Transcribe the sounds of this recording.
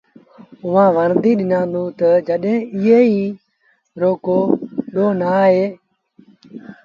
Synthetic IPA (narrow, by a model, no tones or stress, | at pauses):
ʊʋãːʋəɾd̪iːɗɪnãːnd̪ũːt̪əd͡ʒəɗɦẽːɪɦeːiː | ɾoːkoːɗoːnaːɦeː